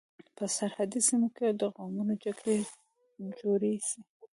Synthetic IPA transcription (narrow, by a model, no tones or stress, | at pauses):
pəsaɾhad̪isimoked̪əɣɑmunod͡ʒaɡɾe | d͡ʒoɾesi